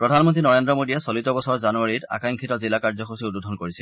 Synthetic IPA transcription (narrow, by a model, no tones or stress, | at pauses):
pɹɔdʱanmɔntɹinɔɹendɹɔmodijɛsolitɔbɔsɔɹzanuaɹita̰kajŋkʰitɔzilakaɹzɔxosiududʱɔnkoɹisil